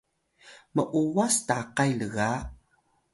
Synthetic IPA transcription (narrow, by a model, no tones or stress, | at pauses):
məʔuwastaqajləɣa